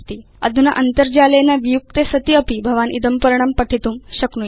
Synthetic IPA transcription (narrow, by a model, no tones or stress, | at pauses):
t̪iː | ɐd̪ʱunɐʔɐnt̪əɾd͡ʑaləjnaʋijuk̚t̪esɐt̪iəpibʱɐʋanʔḭd̪əmpəɾɳ̃ɐmpɐʈʰit̪uːmɕɐknu